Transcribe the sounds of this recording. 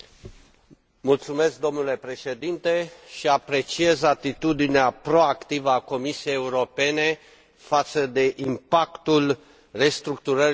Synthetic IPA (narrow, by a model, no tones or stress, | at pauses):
mult̪sume̞sk̚d̪o̞mnule̞pɾe̞ʃe̞d̪int̪e̞ʃiapɾe̞t͡ʃie̞zat̪it̪ud̪ineapɾo̞akt̪ivəako̞misiejeuɾo̞pe̞ne̞ | fat̪səd̪e̞ʔimpakt̪ul | re̞st̪ɾukt̪uɾəɾ